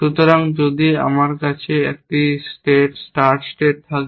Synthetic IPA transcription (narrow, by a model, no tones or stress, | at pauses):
ʃut̪oɾaŋd͡ʑod̪ia̰maɾkat͡ɕʰeek̚ʈisʈeʈsʈaɾʈsʈeʈ̚t̪ʰak